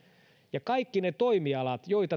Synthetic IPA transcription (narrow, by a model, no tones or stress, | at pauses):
jɑkɑikːinet̪oimiɑlɑt̪joit̪ɑ